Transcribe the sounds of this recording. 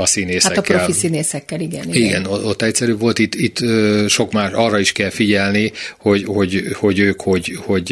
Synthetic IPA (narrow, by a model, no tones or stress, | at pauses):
ɒsineːsaɛkːɾolfisineːsɛkːɛliɡɛniɡɛnoo̞t̪ːɛcsɛɾyːvo̞lt̪it̪ːit̪ːøʃo̞kmaːʃɒːrːɒiʃkɛlfiɟɛlniho̞ɟho̞ɟho̞ɟøːkho̞ɟho̞ɟ